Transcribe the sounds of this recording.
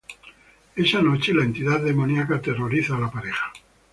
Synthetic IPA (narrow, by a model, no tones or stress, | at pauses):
e̞sanot͡ʃe̞laent̪iðaððemonjakat̪eroɾiθaːlapaɾexḁ